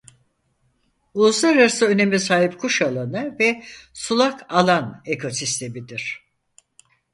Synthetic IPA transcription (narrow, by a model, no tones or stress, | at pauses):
uzlaɾasɯøne̞mɛs̬aːɦipkʰuʃalˠanɯvɛsulˠakʰalˠane̞kʰo̞sist̪ʰe̞mid̪iɾ̝̥